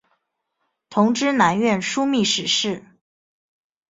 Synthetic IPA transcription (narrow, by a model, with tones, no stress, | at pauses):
t̪ʰʊ˧˥ŋʈ͡ʂɻ̩˥na˧˥nɥɛ˥˩nʂu˥mi˥˩ʂɻ̩˧˥ʂɻ̩˥˩